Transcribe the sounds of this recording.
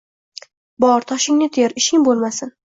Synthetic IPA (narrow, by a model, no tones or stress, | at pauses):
bɒɾt̪ʰɒʃɪŋnɪt̪ʰeɾɪʃɪŋbolˠmasɪn